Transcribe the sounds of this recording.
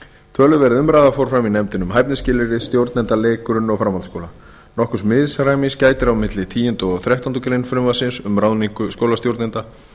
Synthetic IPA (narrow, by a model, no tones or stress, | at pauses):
t̪ʰvœːlʏvɛɾɪðʏmɾaːðafowɾfɾaminɛjmt̪ɪnʏmɦajpnɪscɪːlɪɾɪst̪jowɾt̪nɛnt̪aleːkʏɾʏnːɔfɾamant̪skoːwla | nɔhkʏ̥smɪðsɾajmiscaːjt̪ɪɾawmɪt̪lɪt̪ʰiːjɪnt̪ʏɔθɾɛht̪ant̪ʏkɾejnfɾɪmasɪnsʏmɾawniŋkʏskoːwlast̪jowɾt̪ɛnt̪a